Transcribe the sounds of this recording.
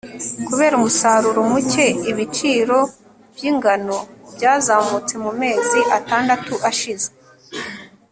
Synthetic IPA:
kuβe̞ːɾumusaːɾuɾomuce̞iβit͡ʃiːɾo̞ | b̥jiːŋɡano̞bjaːzaːmut͡se̞mume̞ːziʔataːndatuʔaʃize̥

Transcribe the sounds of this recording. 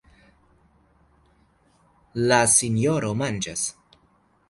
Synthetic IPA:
lasinjoɾomand͡ʒas

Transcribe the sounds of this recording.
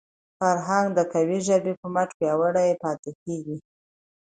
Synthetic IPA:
faɾɦaŋɡd̪əkawiʒabepəmaʈ͡ʂpjɑwəɽajepɑt̪ekeɡi

